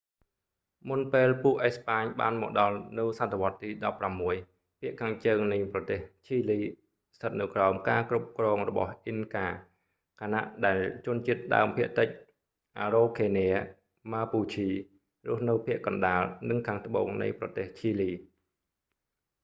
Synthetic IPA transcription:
munpeːlpuəʔɛspaːɲɓa̰ːnmɔ̰ːk̚ɗɑlnɨwsat̪ʰːeʋŏət̪ːiːɗɑpːramːuəj | pʰiəʔkʰaːŋt͡ɕəːŋnɨjprɑt̪eːht͡ɕʰiːliː | st̪ʰət̪̚nɨwkraɔmkaːkrup̚krɔːŋrɔɓɑ̰hʔinkaː | kʰana̰ʔɗaɛlt͡ɕʊ̆ənt͡ɕiət̪̚ɗa̰əmpʰiəʔt̪ɨc̚ | ʔaːɾoːkʰeːnɛə | maːpuːt͡ɕʰiː | rʊ̆əhnɨwpʰiəʔkɑnɗaːlnɨŋkʰaːŋt̪ʰəɓo̰ːŋnɨ̰jprɑt̪eːht͡ɕʰiːliː

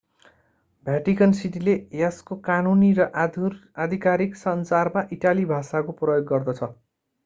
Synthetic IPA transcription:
bʱjaʈikʌnsiʈilejaskokanunirʌʔrad̪ʱikaɾiksʌnsarmaʔiʈalibʱasakoprʌjoɡːʌrd̪ʌt͡sʰʌ

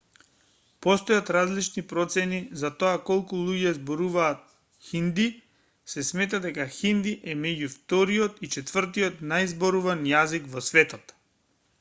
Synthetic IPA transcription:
pɔst̪ɔjat̪ɾazlit͡ʃnipɾɔt̪sɛnizat̪oakɔlˠkulˠuɟɛzbɔɾuvaːt̪̚ | xind̪i | sɛsmɛt̪ad̪ɛkaxind̪iʔɛmɛɟuft̪ɔɾiɔt̪it͡ʃɛt̪v̥ər̩t̪̬ijɔt̪najzbɔɾuvanjazikvɔsvɛt̪ɔt̪

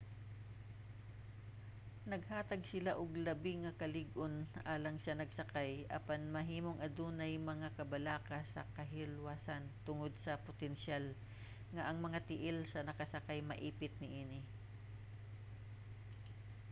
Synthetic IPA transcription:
nɐɡ̚haːt̪ɐɡ̚sɪlaʔʊɡlɐbɪŋɐkɐlɪɡʔonʔaːlɐŋsɐnɐɡ̚sɐkajʔɐ̰panmɐɦiːmoŋʔɐd̪uːnɐjmɐŋakɐbɐlaːkɐsɐ̰kɐɦɪlwaːsant̪ʊŋod̪̚sɐpʊt̪ɛnʃal | ŋɐʔɐŋmɐŋat̪ɪʔɪlsɐnɐkɐsɐkajmɐʔiːpɪt̪̚nɪʔiːnɪ

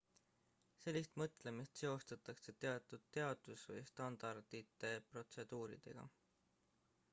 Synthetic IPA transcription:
se̞lʲːist̪mɤt̪ˑle̞mist̪se̞o̞st̪ɑt̪ːˑɑkse̞t̪e̞ɑt̪ːˑud̪̥̚t̪ːe̞ɑd̪̥usvɤjst̪ɑnd̪̥ɑrd̪̥it̪ːˑe̞pro̞t̪se̞d̪̥uːɾḭd̪̥e̞̰ɡ̥ɑ̰

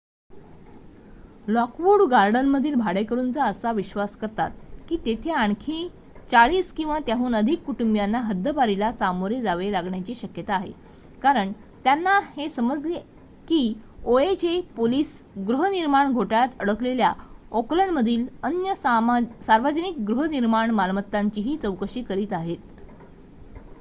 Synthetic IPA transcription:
lɔkʋuɽɡaɾɖənməd̪ʱiːlbʱaɽekəɾuːnt͡saəsaʋiɕʋaskəɾt̪a̰t̪̚kiːt̪et̪ʰeaɳkʰĩ | t͡saɭiːskĩw̃ʋat̪jaɦuːnəd̪ʱikːuʈumbjanːaɦəd̪ʱːəbaɾilasamoɾed͡zaʋelaɡɳjat͡ɕiːɕəkjət̪aːɦḛ | kaɾəɳ | t̪janːahesəməd͡zle | kiːoet͡ɕepoliːsɡɾuɦəniɾmaɳɡʱoʈajt̪əɽəkleljaɔkləɳməd̪ʱiːlənjəsaɾʋəd͡ʑənik̚ɡɾuɦəniɾmaɳmalmət̪ːaɲt͡ɕiːɦiːt͡səwkəɕiːkəɾiːt̪aɦet̪̚

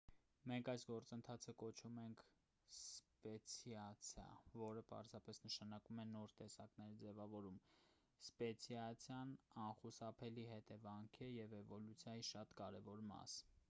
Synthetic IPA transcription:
mɛŋkʰɑjsɡɔɾt͡sənt̪ʰɑt͡sʰəkɔt͡ʃʰumɛŋkʰ | spɛt͡sʰjɑt͡sʰjɑ̰vɔɾəpɑ̰ɾzɑpɛsnəʃɑnɑkumɛnɔɾt̪ɛsɑknɛɾd͡zɛvɑvɔɾum | spɛt͡sʰjɑt͡sʰjɑnɑnχusɑpʰɛliɦɛt̪ɛvɑŋkʰɛjɛvɛvɔlut͡sʰjɑjiʃɑt̪kɑɾɛvɔɾmɑ̰s

